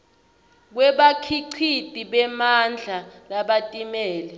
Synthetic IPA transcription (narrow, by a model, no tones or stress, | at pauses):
k̬wɛɓakʰiǀʰitʼiɓɛmand͡ɮʱalaɓatʼimɛːlɛ